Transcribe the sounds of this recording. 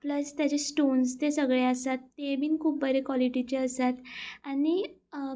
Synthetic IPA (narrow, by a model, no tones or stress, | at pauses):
pləst̪jat͡ɕesʈonst̪esəɡɭeəsat̪ːebiːnkʰuːp̚bʱəɾekʋɔliʈit͡ɕeəsat̪ani